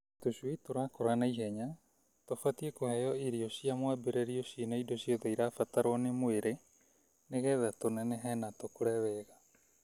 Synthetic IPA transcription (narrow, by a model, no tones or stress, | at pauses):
toʃwitoɾakoɾanaiɦɛɲa | tofatiekohɛjɔiɾiosiamwabeɾeɾiosinaidosioðaiɾaːfataɾoanemoeɾe | neɣɛðatonɛnɛɦɛnatokoɾɛβɛɣa